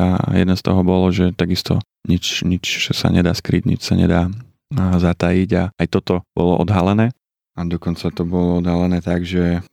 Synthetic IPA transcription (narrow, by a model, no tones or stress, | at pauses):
ajɛ̰d̪ɛnst̪ɔɦɔbɔlɔʒɛt̪aɡist̪ʰɔ̰ | ɲit͡ʃɲit͡ʃsa̰ɲɛd̪aːskɾḭɟɲḭt͡ʃsaɲɛ̰d̪aː | zat̪ajiɟaajt̪ɔt̪ɔb̥ɔlɔ̰ʔɔ̰d̪ɦalɛnɛː | ad̪ɔkɔnt͡sat̪ɔbɔlɔɔd̪ɦalɛnɛːt̪aɡʒɛ